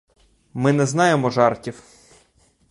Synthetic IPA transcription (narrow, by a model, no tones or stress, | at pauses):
mɪnɛznɑjemɔʒɑrtʲiw